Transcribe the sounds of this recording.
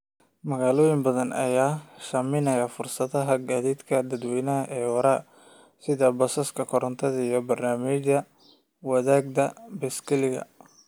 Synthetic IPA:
mɐɣaːlɔːjɪmbɐðɐnʔɐ̰jaːʃɐmɪnɐjafʊrsɐðɐɦɐɡaːðiːd̪kʰɐd̪ɐd̪wɛːnɐɦɐʔɛːwɐɾaː | sɪðɐbɔsɐskʰɐkʰɔɾɐnt̪ʰɐðɐijɔbɐrnaːmɪt͡ʃɐ | wɐðaːɡd̪ɐbɛskʰɐlɪɣɐ̰

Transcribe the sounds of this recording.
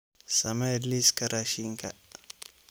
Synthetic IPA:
samaɛdliskaɾaʃiŋka̰

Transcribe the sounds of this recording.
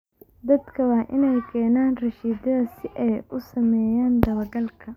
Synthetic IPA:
d̪ɐd̪kʰɐwɑːʔɪnɛjkʰɛːnaːnrɐʃiːd̪ɐðɐsɪʔɛjʔʊsɐmɛːjaːnd̪ɐβɐɡɐlkʰɐ

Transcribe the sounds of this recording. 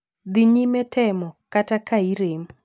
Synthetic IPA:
d̪ɪɲimɛtɛmɔkatakaiɾem

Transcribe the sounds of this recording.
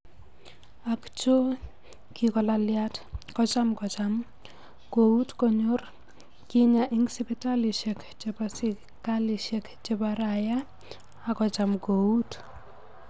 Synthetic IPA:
akt͡ʃo | kikɔlaljatkɔt͡ʃamkɔt͡ʃam | koutkɔɲor | kɪɲaʔiŋsɪpitaliʃek | t͡ʃepasi | kaliʃekt͡ʃepaɾajaː | kɔt͡ʃamkout

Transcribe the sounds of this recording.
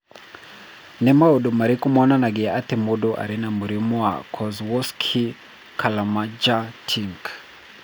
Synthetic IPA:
nɛmaɔɗumaɾikumɔnanaɡɛatɛmuɗɔʔa̰ɾinamuɾimua̰kʰɔzwɔskʰi | kʰalamad͡ʒatʰiŋk

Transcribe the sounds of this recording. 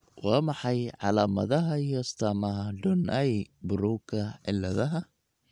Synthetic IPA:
wɑːmɑħɑjʕɑlaːmɐ̰ðɐɦɐijɔɪst̪ʰaːmɐɦɐɖɔnʔɛjbʊɾuːkʰɐʕɪlːɐðɐɦɐ

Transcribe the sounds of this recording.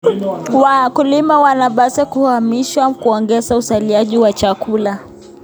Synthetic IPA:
wakulimawanaɓasɛkuhamiʃwakuɔŋɡɛzausaliaʄiwat͡ʃakula

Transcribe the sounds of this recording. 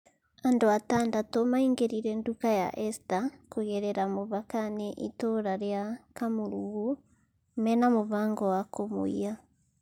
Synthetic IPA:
andoataːndatomaiŋɡeɾiɾɛndukaja̰ʔɛstakoɣɛɾɛɾamoβakaneʔitoɾaɾjakamoɾuɣu | mɛnamoβaːŋɡɔwakomo̰ia

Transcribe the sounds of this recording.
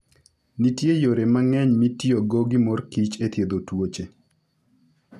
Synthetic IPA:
nitjejoɾemaŋɛɲmitjoɡoɡimɔrkit͡ʃet̪jed̪otwot͡ʃe

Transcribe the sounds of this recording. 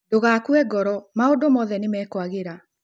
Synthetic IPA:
doɣaːkwɛɡɔɾɔmaodomɔðɛnemɛːkwaɣeɾa

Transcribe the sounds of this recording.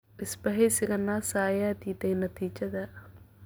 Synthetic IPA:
ʔɪsbɐɦɛjsɪɣɐnaːsaːjaːd̪iːd̪ɛjnɐt̪ʰiːt͡ʃɐðɐ

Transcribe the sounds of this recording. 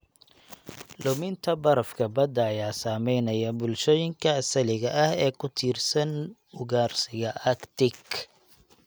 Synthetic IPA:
lʊmɪnt̪ʰɐbɐɾɐfkʰɐbɐd̪ɐːjaːsaːmɛjnɐjɐbʊlʃɔːjɪŋkʰɐɐsɐlɪɣɐʔɐhɛːkʰʊt̪ʰiːrsɐnʊɣaːrsɪɣɐʔɐkt̪ʰɪk

